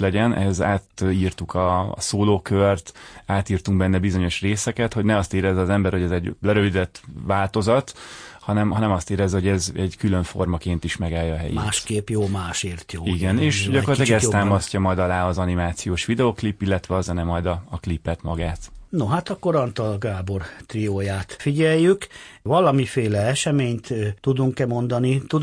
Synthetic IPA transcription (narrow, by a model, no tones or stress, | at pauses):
lɛɟɛnʔɛ̰ɦɛzaːt̪iːrt̪ukʰɒ̰ːsoːloːkørt̪aːt̪iːrt̪uŋɡ̚bɛnːɛbizo̞ɲo̞ʃreːsɛkɛt̪ho̞ɟnɛɒst̪eːɾɛzːɛɒzɛmbɛrho̞ɟɛzɛɟlɛɾø̞vid̪ɛt̪ʋaːlt̪o̞zɒt̪hɒnɛmɦɒnɛmɒst̪eːɾɛzɛho̞ɟɛzɛɟkyløɱfo̞̰rmɒkeːnt̪iʃmɛɡaːjɒːɦɛ̰jḭmaːʃkeːpjoːmaːʃeːrt̪joːiɡɛneːʃɟɒkoɾrltt̪lːaɡɛstt̪aːmɒscɒmɒjd̪ɒlaːɒzɒnimaːt̪sijoːʃʋid̪ɛoːklipːilːɛt̪ʋɛɒzɛnɛmɒjd̪ɒːklipːɛt̪mɒɡaːt̪noɦat̪ɒkːoɾɒnt̪ɒlɡaːbo̞rt̪rioːjaːt̪fiɟɛjːykvɒlɒmifeːlɛɛʃɛmeːɲt̪ud̪uŋkɛmo̞nd̪ɒnit̪ud̪